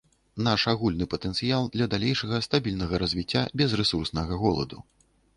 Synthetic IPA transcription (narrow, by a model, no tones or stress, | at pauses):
naʂaɣulʲnɨpɐt̪ɛnt̪sɨjalˠd̪lʲɐd̪alʲejʂɐɣɐst̪abʲilʲnɐɣɐɾɐzʲvʲit͡sʲːabʲɛzrɛsursnɐɣɐɣɔlˠɐ̰d̪u